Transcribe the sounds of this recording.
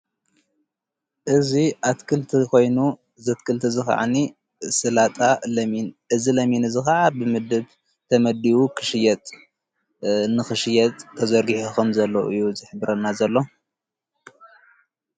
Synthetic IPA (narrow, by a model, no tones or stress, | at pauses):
ʔɨziʔat̪kʰɨlt̪ʰiko̞jnu | zɐt̪̚kʰɨlt̪ʰɨzɨxa̰ʕa̰ni | sɨlat̪ʼalɐminʔɨzilɐminɨzɨxɐʕabɨmɨd̪ɨb | t̪ʰɐmɐd̪iwukʰɨ̥ʃɪjɛt̪ʼ | nɨxɨʃɨjɛt̪ʼʰːɐzɐɾɡiħuxɨmzɐlːoʔɨjːuzɨħɨbɾɐnːazɐlːo̞